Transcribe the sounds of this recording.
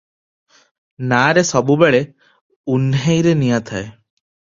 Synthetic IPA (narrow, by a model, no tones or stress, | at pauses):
naːɾesɔbubeɭe | unɦejɾenijat̪ʰae